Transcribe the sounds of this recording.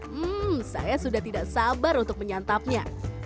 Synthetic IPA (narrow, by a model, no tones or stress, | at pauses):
m̩sa̰jasudaht̪idaʔsabaɾunt̪ʊk̚məɲant̪ap̚ɲa̰